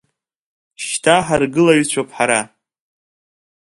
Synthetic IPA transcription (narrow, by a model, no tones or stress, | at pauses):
ʃtʰaħarɡɨlaɥyt͡ɕʷʰapʰħaɾa